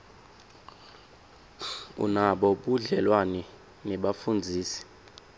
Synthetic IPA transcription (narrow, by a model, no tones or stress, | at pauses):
ṵnaɓɔɓuɮɛlwanɛ | nɛɓafund͡zʱiːsi̥